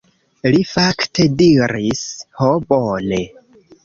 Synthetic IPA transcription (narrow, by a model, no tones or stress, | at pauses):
lifaktʰe̞diɾishobone